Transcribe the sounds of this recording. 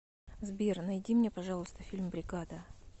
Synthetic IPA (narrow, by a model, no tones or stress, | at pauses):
zbʲirnɐjdʲimnʲepɐʐɑlˠʊst̪əfʲilʲmbɾʲɪɡad̪ə